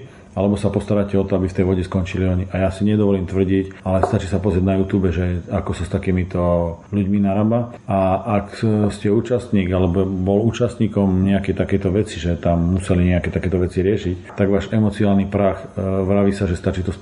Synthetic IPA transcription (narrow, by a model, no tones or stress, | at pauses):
alɛbɔsapɔst̪aɾaːcɛɔt̪ɔabift̪ɛjʋɔɟɛskɔnt͡ʃiliɔɲiʔajasiɲɛd̪ɔʋɔliːmt̪ʋr̩ɟicalɛst̪at͡ʃiːsapɔzɾɛaɟnajut̪uːbɛʒɛakɔsast̪akiːmit̪ɔluɟminaɾaba | aʔːkscɛuːt͡ʃast̪ɲiːɡalɛbɔbɔluːt͡ʃast̪ɲiːkɔmɲɛakɛjt̪akɛjt̪ɔʋɛt͡siʒɛt̪amːusɛliɲɛakɛt̪akɛːt̪ɔʋɛt͡siɾɪɛʃict̪aɡʋaːʒɛmɔt͡siaːlnipɾaxʋɾaʋisaʒɛst̪at͡ʃiːt̪ɔ